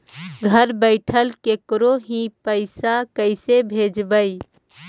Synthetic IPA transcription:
ɡʱəɾbəɪʈʰəlkeːkɾoɦĩpəɪsakəɪsebʱeːd͡ʒbəi

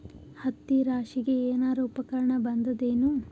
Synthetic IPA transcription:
hɐt̪ːiɾaːʂiɡe̞eːnaːɾɐupɐkɐɾɐɳɐbɐnd̪ɐd̪eːnu

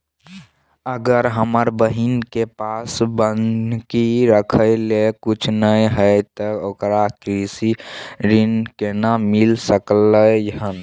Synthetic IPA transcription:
əɡəɾɦəməɾbəɦinkepasbənd̪kiɾəkʰəɪlekut͡ʃʰnəɦəɪt̪ɔokɾakɾisiɾinkenamilsəkləjəɦən

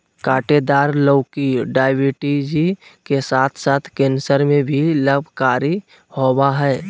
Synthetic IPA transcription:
kaːʈed̪aːɾləːkiɖaːɪwiʈid͡ʒikesaːt̪ʰsaːt̪ʰkẽːnsəɾmẽbʱiləbʱkaːɾi | howaɦɛː

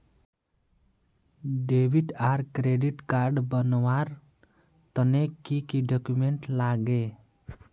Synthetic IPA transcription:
ɖebʱiʈaɾkɾeɖiʈkaɾɖbʌnwaɾ | t̪ʌnekikiɖɔkjumeɳʈlaɡe

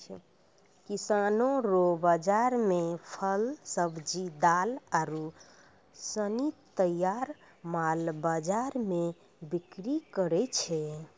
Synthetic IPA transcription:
kisanoɾobəd͡ʒaɾmepʰəlsəbd͡ʒid̪alaɾu | sənit̪əjaɾ | malbad͡ʒaɾme | bikɾikəɾɛt͡ʃʰɛ

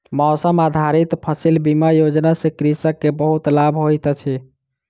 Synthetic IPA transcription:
mɔʊsəmad̪ʱaɾit̪pʰəsilbimajod͡ʒnasẽkɾisəkːebəɦut̪labʱɦojt̪t͡ʃʰɛ

